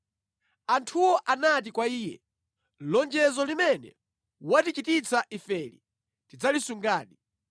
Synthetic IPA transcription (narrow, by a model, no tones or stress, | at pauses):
antʰuwɔʔanat̬ikwaiːjɛ̰ | lɔnd͡ʒɛzɔlimɛnɛ̰ | watit͡ʃitit͡saʔifɛːlḭ | tid͡zalisuŋɡaːɗi